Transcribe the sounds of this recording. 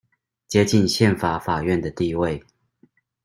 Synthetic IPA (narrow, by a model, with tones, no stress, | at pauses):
t͡ɕjɛ˥t͡ɕi˥˨nɕjɛ˥˩nfa˨˩˦fa˨˩ɥɛ˥˨nd̪ə˩t̪i˥˧we˥˨ɪ